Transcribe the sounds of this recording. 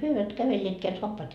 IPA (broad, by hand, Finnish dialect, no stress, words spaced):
hyø eiʋæt kæʋelːeːtkeæ soɑpːɑːt